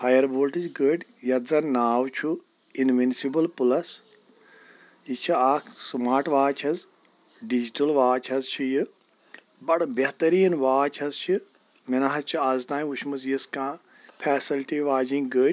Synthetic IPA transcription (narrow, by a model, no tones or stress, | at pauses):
pʰajɐɾboːlʈɨd͡ʒɡəːʈjɐt̪zɐnnaːwt͡ʃʰu | inʋinsibɐlpulɐs | it͡ʃʰiaːkʰsmaːɾʈʋaːt͡ʃʰɐz | ɖid͡ʒiʈɐlʋaːt͡ʃʰɐzt͡ʃʰijɨ | bɐɽbɐɦt̪ɐɾiːnʋaːt͡ʃʰɐzt͡ʃʰi | minaɦɐzt͡ʃʰiɐzt̪ãːnĩut͡ʃʰmɨzjiskãː | pʰɛːsilʈiʋaːd͡ʒĩŋɡəːʈʲ